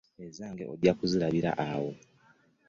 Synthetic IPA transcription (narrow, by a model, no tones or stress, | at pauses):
ezaːŋɡe̞odjakuziɾaβiɾa̰ʔawo̞